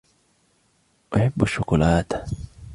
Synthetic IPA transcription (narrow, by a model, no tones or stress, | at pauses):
ʔaħabːaʃːʊkʊlaːt̪